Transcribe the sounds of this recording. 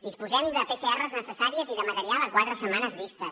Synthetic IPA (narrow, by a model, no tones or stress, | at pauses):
d̪ispuzɛmd̪əpeseɛrəznəsəsaɾiəziðəmət̪əɾialˠəkwat̪ɾəsəmanəzβist̪əs